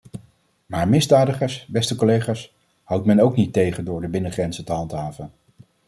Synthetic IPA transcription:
maːɹmɪzdaːdəχəɹsbɛstəkolejχaːs | hʌwtmɛnowknitejχəndʊːɹdəbɪnəχrɛnzətəɦɑntɦaːvən

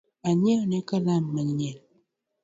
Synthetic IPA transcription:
aɲeonekəlamːəɲel

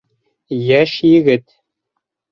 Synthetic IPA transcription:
jæʃjɘ̆ɡɘt̪̚

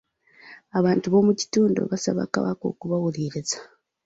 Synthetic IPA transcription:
aβaːntuβo̞muci̥tuːndo̞̰βasa̰βa̰ka̰βa̰ko̞̰ːkuβawuɾiːɾeza

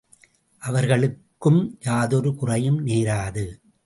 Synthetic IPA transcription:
ʔɐʋɐɾɣɐɭɯkːɯmjaːðɔɾɯkʊrɐjɯmneːɾaːðɯ

